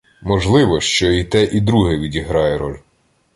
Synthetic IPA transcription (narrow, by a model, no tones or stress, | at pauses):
mɔʒlˠɪʋɔʃt͡ʃɔit̪ɛʔid̪ɾuɦɛʋʲidʲiɦɾɑjɛɾɔ̰lʲ